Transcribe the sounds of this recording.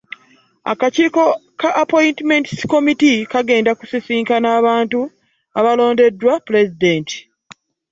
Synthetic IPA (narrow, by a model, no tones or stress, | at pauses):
a̰kaciːko̞kaʔːpo̞intime̞ntsko̞mitikaɡe̞ːndaku̥sisiːŋkanaːβaːntu | aβalo̞ːnde̞dːwapule̞zide̞ːnti̥